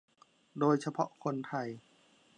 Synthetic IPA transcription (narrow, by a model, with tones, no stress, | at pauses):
doː˧jsʰa˧pʰɔ̰˦˥ʔkʰo˧nt̪ʰa˧˩j